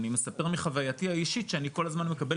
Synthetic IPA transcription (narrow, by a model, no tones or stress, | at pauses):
nime̞sape̞ʁmiχavajatiaiʃit̪ʃeaniko̞lazmanme̞kabe